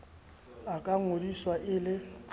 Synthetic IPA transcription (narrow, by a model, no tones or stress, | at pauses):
akʼaŋodiswaʔɪlɪ